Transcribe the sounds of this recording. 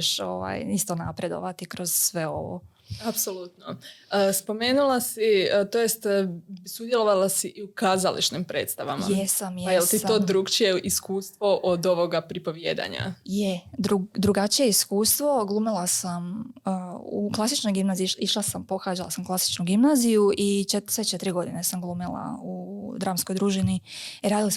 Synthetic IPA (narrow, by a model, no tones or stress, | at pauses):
ʃo̰ʋa̰jist̪o̞napɾe̞d̪o̞̰ʋat̪ikɾo̞z̥sʋe̞o̞̰ʋo̰ | apso̞lˠut̪noəspo̞me̞ːnulˠasiət̪ojest̪sud̪jelˠo̞ʋalasiʔiukaːzalḭt͡ʃnimpɾe̞ːt̪st̪aʋa̰ma̰jesamjjelt̪it̪oːd̪ɾukt͡ʃijeʔiskuːst̪ʋo̞ʔod̪o̞ʋo̞ɡapɾipo̞ʋjḛːd̪a̰ɲa̰jed̪ɾud̪ɾuɡat͡ʃije̞iskuːst̪ʋo̞ɡlˠuːmilˠasaməṵklˠasit͡ʃno̞jɡimnaziiiʃlasampo̞xaːd͡ʒala̰samklˠasi̥t͡ʃnuɡimnaːzijuʔit͡ʃesʋet͡ʃet̪iɾiɡo̞d̪inesamɡlˠuːmilˠa̰ud̪ɾaːmsko̞jd̪ɾuːʒiniiɾaːd̪ilˠas